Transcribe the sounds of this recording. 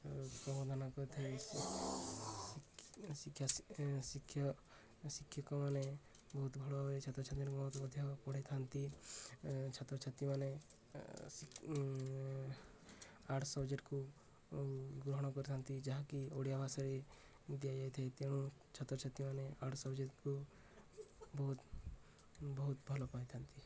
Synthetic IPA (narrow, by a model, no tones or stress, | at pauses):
pɔd̪ʱanakɔɾt̪ʰai | sikʰːjasikʰjɔ | sikʰːjɔkɔmane | bɔɦut̪bʱɔɭɔɦet͡ʃʰɔt̪ɾɔt͡ʃʰat̪inkːt̪ɔd̪ʱjɔpɔɽ̤at̪ʰant̪i | t͡ʃʰɔt̪ɔt͡ʃʰat̪imane | s | aʈʰsɔbd͡ʒeʈku | ɡɾɔɦɽ̃ɔkɔɾit̪ʰant̪id͡ʒaɦakioɽjabʱasaɾe | d̪ijajajt̪ʰait̪eɽ̃ũt͡ʃʰɔt̪ːɾɔt͡ʃʰt̪ːimaneaʈʰsɔbd͡ʒeʈku | bɔɦut̪ | bɔɦut̪bʱɔlɔpajt̪ʰant̪i